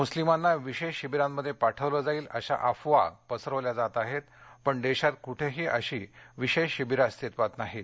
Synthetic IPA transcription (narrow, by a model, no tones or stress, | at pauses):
muslimanːaʋiɕeɕibiɾamːəd̪ʱːjepaʈʰəʋləːd͡zaiːləɕa̰ʔafʋa̰pəsəɾəʋljad͡zat̪aɦet̪̚pəɳɖ̪eɕat̪̚kuʈʰeɦiːʔəɕiʋiɕeɕibiɾast̪it̪ʋat̪naɦit̪